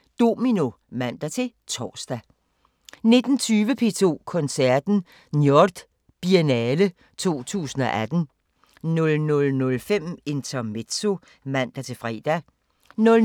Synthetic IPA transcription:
d̥o̝mino̝ | mæn̰d̥æt͡sʰe̝t͡sʰɒ̰ːsd̥æ | ne̝d̥n̩t͡sʰyːʋəpʰe̝ːt͡sʰo̝̰ːkʰɔ̽nsæɐd̥n̩ | njɒd̥ | b̥ienɛːlə | t͡sʰo̝̰ːt͡sʰṵːsn̩ɒ̽ʔæd̥n̩ | nɔlnɔ̽lnɔ̽lfem̰e̝nt͡sʰɐme̝d̥so̝ | mæn̰d̥æt͡sʰe̝fʁɛ̰ːd̥æ | nɔ̽l

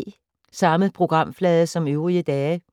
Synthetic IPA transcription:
sɑ̈məðpʰʁo̝ɡ̥ʁɑ̈m̰flɛːðˠəsɒ̽møʊʁiəd̥ɛː

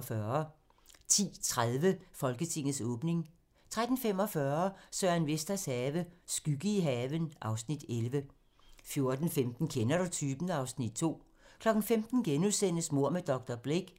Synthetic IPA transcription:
fɶːɐ | t͡sʰḭːt͡sʰʁaðˠʋəfɒ̽lɡ̥ət͡sʰe̝ŋ̰ð̩ˠsɔ̽ːb̥ne̝ŋ | t͡sʰʁad̥n̩fem̰ɒ̽fɶɐsœɐænʋesd̥ɐshɛːʋəsɡ̥yɡ̥əiɦɛːʋənʔɑ̈ʊsnid̥elʋə | fjo̝ɐd̥n̩femd̥n̩kʰenɐɾ̥ut͡sʰyːb̥n̩ɑ̈ʊsnid̥̚t͡sʰo̝̰ː | kʰlɒ̽ɡ̥n̩femd̥n̩ɡ̥enuðˠsen̰əsmo̝ɐ̰med̥ɒ̽ɡ̥̚d̥ɐb̥leɡ̥

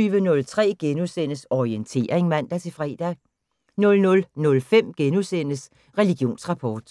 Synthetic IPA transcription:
yːʋənɔ̽lt͡sʰʁɛ̰ːɡ̥enusen̰əsɒient͡sʰe̝̰ːɐʁeŋmæn̰d̥æt͡sʰe̝fʁɛ̰ːd̥æ | nɔ̽lnɔ̽lnɔ̽lfem̰ɡ̥enusen̰əs | ʁɛliɡ̥jo̝̰ːnsʁɑ̈pʰɒːd̥

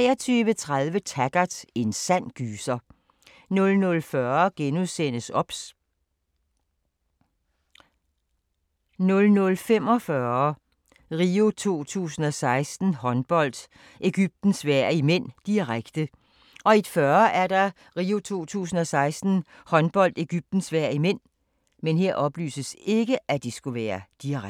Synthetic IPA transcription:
ɛ̰ːɐt͡sʰyːʋət͡sʰʁaðˠʋət͡sʰæɡ̥ɐd̥e̝nsæn̰ɡ̥yːsɐ | nɔ̽lnɔ̽lfɶɐɡ̥enuðˠsen̰əsɒ̽b̥s | nɔ̽lnɔ̽lfem̰ɒ̽fɶɐ | ʁio̝t͡sʰo̝̰ːt͡sʰṵːsn̩ɒ̽sɑ̈ɪsd̥n̩hɒ̽nb̥ɒ̽l̰d̥ | e̝ɡ̥yb̥̚d̥n̩sʋæɐ̰imen̰d̥iʁaɡ̥d̥ə | ʔɒ̽id̥fɶɐʔæɐdɑ̈ | ʁiːo̝t͡sʰo̝̰ːt͡sʰṵːsn̩ɒ̽sɑ̈ɪsd̥n̩hɒ̽nb̥ɒ̽l̰d̥e̝ɡ̥yb̥̚d̥n̩sʋæɐ̰imen̰ | menɦeɐ̰ʔɒ̽b̥ly̰ːsəse̝ɡ̥əʔæd̥isɡ̥uʋæːɐd̥iʁ

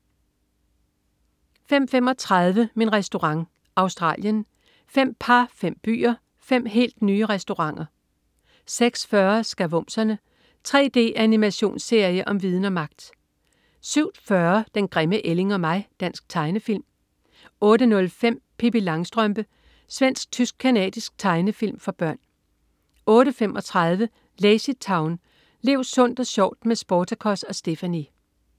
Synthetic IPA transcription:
fem̰fem̰ɒ̽t͡sʰʁɑð̞ˠʋəminʁɛsd̥o̝ʁɑ̈ŋ | ʔɑ̈ʊsd̥ʁɑ̰̈ːljən | fem̰pʰɑ̈fem̰b̥y̰ːɐ | fem̰ɦe̝̰ːld̥nyːəʁɛsd̥o̝ʁɑ̈ŋ̰ɐ | seɡ̥sfɶɐsɡ̥æʋɔ̽msɐnə | t͡sʰʁɛ̰ːd̥e̝̰ːʔænimæɕo̝̰ːnsːe̝ɐ̰jəʔɒ̽mʋið̞ˠn̩ɒ̽mɑ̈ɡ̥̚d̥ | syʊ̰dfɶɐd̥enɡ̥ʁɛməʔele̝ŋɒ̽mɑ̈ɪ̰d̥æn̰sɡ̥̚t͡sʰɑ̈ɪnəfil̰m | ɔ̽ːɾənɔ̽lfem̰pʰib̥ilɑ̈ŋsd̥ʁœmb̥ə | sʋen̰sɡ̥̚t͡sʰysɡ̥̚kʰænɛ̰ːd̥isɡ̥̚t͡sʰɑ̈ɪnəfil̰mfɒ̽b̥ɶɐ̰n | ɔ̽ːɾəfemʔɒ̽t͡sʰʁaðˠʋə | leɪsi̥t͡sʰɑ̈ʊn | le̝ʊsɔ̽n̰d̥ɒ̽ɕɒʊ̰d̥mesb̥ɒːt͡sʰakʰɒ̽sɒ̽sd̥e̝fæni

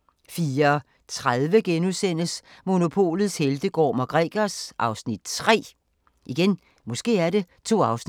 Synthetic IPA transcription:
fiːɐɒ | t͡sʰʁaðˠʋəɡ̥enuðˠsen̰əsmo̝no̝pʰo̝̰ːlð̩ˠsheld̥əɡ̥ɒ̰ːmɒɡ̥ʁɛ̰ːɡ̥ɐsʔɑ̈ʊsnid̥t͡sʰʁɛ̰ː | ʔiɡ̥en | mɒ̽sɡ̥e̝̰ːæɐɾe̝t͡sʰo̝̰ːɑ̈ʊsn

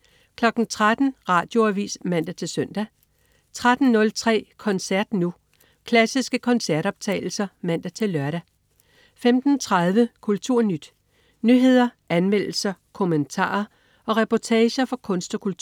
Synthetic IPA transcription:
kʰlɒ̽ɡ̥n̩t͡sʰʁad̥n̩ʁɑ̈ːd̥jo̝æʋḭːsmæn̰d̥æt͡sʰe̝lsøn̰d̥æ | t͡sʰʁad̥n̩nɔ̽lt͡sʰʁɛ̰ːkʰɒ̽nsæɐd̥nu | kʰlæsisɡ̥əkʰɒ̽nsæɐɾ̥ɒ̽b̥̚t͡sʰɛ̰ːɪl̩sɐmæn̰d̥æt͡sʰe̝lːɶɐɾæ | femd̥n̩t͡sʰʁað̞ˠʋəkʰult͡sʰuɐ̰nyd̥ | nyɦe̝ð̰ˠɐʔænmel̰l̩sɐkʰo̝mənt͡sʰɑ̰̈ːɐ | ʔɒ̽ʁɛpɒt͡sʰɛːɕɐfɒ̽kʰɔ̽nsd̥ɒkʰult͡sʰuɐ

